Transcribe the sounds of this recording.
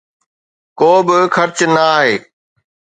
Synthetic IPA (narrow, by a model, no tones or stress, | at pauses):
koːbɪxʰɐɾt͡ɕnɐːɦeː